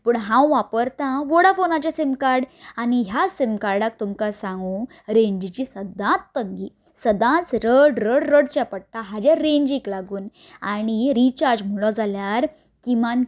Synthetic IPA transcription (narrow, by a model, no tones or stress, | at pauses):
pəːɳɦãwʋapəɾt̪ãʋəɽafonat͡ɕasemkaɾɽaɽ̃iɦjasemkaɾɖak̚t̪umkasãŋɡũ | ɾẽɲd͡ʑit͡ɕisəd̪ãt͡sːəŋɡiː | səd̪ãt͡sɾəɽɾəɽɾəɽt͡ɕjapəɽ̚ʈ̪aɦad͡ʑaɾẽɲd͡ʑiklaɡuːnaɽ̃iɾit͡ɕaɾd͡ʑm̤uɭɔd͡zaljaɾ | kiman